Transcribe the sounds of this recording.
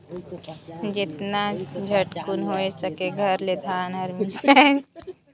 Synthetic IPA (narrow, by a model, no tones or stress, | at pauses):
d͡ʒɪt̪nad͡ʒʱəʈkʊnɦoːesəkeɡʱəɾled̪ʱaːnɐɾmisɛ